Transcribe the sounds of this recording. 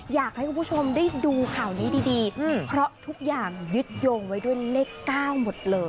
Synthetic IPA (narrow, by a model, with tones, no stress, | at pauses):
jaː˨˩k̚ha˥˩kʰmʰu˥˩t͡ɕʰo˧mdaː˥˩jduː˧kʰaː˨˩wniː˦˥diː˧diː˧pʰɾɔ˦˥t̪ʰu˦˥k̚jaː˨˩ŋjɯ˦˥t̪̚joː˧ŋwa˦˥jdu˥˩əjleː˥˩kːaː˥˩wmo˨˩t̪̚lɤː˧j